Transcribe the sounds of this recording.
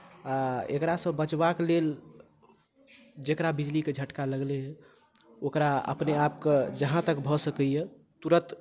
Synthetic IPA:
aḛkɾasə̃bət͡ʃbaklel | d͡ʒekɾabid͡ʒliked͡ʒʱəʈkaləɡle | okɾaə̰pneapked͡ʒəɦãt̪əkbʱɔsəkəje | t̪uɾət̪

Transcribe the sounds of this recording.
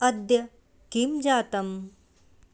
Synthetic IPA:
ɐd̪jɐ | kimd͡ʒaːt̪ɐm

